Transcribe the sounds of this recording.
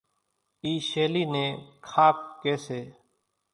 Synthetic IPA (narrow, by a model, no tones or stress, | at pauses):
iːʃeːliːnẽːkʰaːp̚keːseː